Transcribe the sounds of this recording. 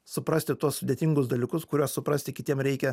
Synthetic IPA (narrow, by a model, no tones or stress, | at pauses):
sʊpɾɐsʲt̪ʲɪt̪uɔssʊd̪ʲeɛt̪ʲɪŋɡʊsd̪ɐlʲikʊskʊɾʲuɔssʊpɾɐsʲt̪ʲɪkʲɪt̪ʲiɛmɾʲɛɪkʲɛ